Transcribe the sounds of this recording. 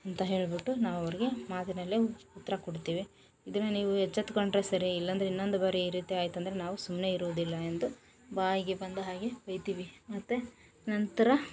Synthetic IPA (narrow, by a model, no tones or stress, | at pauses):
ɐnt̪ɐɦe̞ːɭbiʈːunaːʋɐʋɐɾiɡe̞maːt̪inɐlːeut̪ːɐɾɐkɔɽt̪iːʋi | id̪ɐnːɐniːʋuɦɛt͡ʃːɐt̪kɐɳʈɾesɐɾiilːɐnd̪ɐɾeinːo̞nd̪ubɐːɾeiɾiːt̪iaːjt̪ːuɐnd̪ɐɾenaːʋusumne̞iɾoːd̪ilːɐend̪u | baːjiɡe̞bɐnd̪uɦaːɡebɐjt̪iːʋimɐt̪ːu | nɐnt̪ɐɾɐ